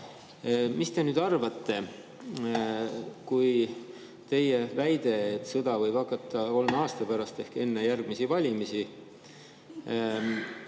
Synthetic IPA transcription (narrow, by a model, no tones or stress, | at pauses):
mist̪e̞nyːd̪ɑrvɑt̪ːe̞ | kuj | t̪e̞je̞væjd̪̥e̞et̪ːˑsɤd̪̥ɑvɤjb̥ɑkːˑɑt̪ːˑɑko̞lmeɑːst̪ɑpæɾɑst̪e̞hke̞nːejærɡ̥misivɑlʲimisi